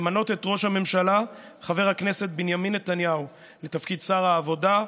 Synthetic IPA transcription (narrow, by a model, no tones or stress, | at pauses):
mano̞te̞t̪ʁo̞ʃhame̞mʃala | χave̞ʁhakne̞se̞t̚binjaminːet̪anjau | let̪afkidsaʁaːvo̞da